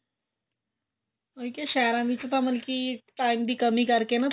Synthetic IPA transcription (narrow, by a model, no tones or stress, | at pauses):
ojkeɕaɾãʋit͡sat̪aməlkiːʈaimd̪iːkəmiːkaɾkenat̪